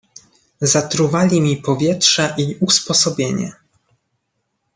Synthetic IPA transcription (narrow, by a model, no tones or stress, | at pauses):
zat̪ɾuvalʲimʲipɔvʲjɛtʂɛʔiuspɔsɔbʲjeɲɛ̰